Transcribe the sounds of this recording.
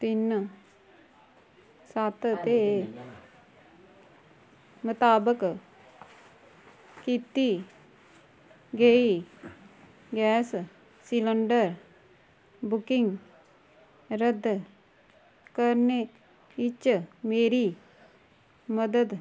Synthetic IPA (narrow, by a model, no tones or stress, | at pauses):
t̪inːə | sat̪t̪eː | mət̪aːbək | kit̪ːi | ɡei | ɡɛːs | siləɳɖəɾ | bukiŋ | ɾəd̪ʱː | kəɾne | it͡ʃːəmeːɾiː | məd̪əd̪